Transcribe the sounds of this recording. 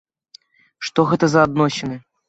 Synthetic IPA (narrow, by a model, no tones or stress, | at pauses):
ʂt̪oɣɛt̪əzɐːd̪noɕɪnɨ